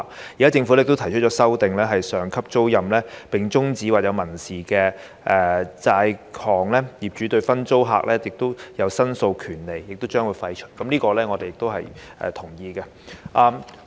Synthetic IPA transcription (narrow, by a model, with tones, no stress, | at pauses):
jiː˨kaː˦˥t͡sɪ˧ŋfu˨˥ɛ˥˨k̚t̪wt̪ʰjt͡ʃʰt̚t͡ʃɔː˨˥sɐ˥wt̪ɪ˨ŋlɛː˥ɦɐ˨jsœː˨ŋkʰɐ˥p̚t͡so˥wjɐ˨mlɛː˥pɪ˨˩ŋt͡sʊ˥ŋt͡siː˨˥waː˨t̚jɐ˨˧wmɐ˨˩nsiː˨kɛː˧ | ʔɛː˨t͡saː˧jkʰɔː˨˩ŋlɛː˥jiː˨p̚t͡ʃyː˨˥t̪ɵ˧ɥfɐ˥nt͡so˥wɦa̰ː˨k̚lɛː˥jɪ˨k̚t̪o˥wjɐ˨˧wsɐ˥nso˧wkʰyː˨˩nle˨jːɪ˨k̚t̪o˥wt͡ʃœː˥ŋwuː˨˧jfɐ˧jt͡ʃʰɵ̥˥t̚kɐ˨˦mnliː˥kɔː˧lɛː˥ŋɔ˨˧d̪e˨jɪ˨k̚t̪o˥wɦɐ̰˨jʔɛ̰ː˨˩t̪ʰʊ˨˩ŋjiː˧kɛ˧ | ʔaː˧m